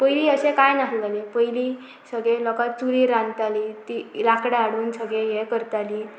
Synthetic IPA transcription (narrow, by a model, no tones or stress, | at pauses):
pəjliːəsekajnaɦlalepəjli | səɡelɔkat͡suɾiɾãnt̪aliːt̪ilakɽaːɽuːnsəɡẽjekəɾt̪aliː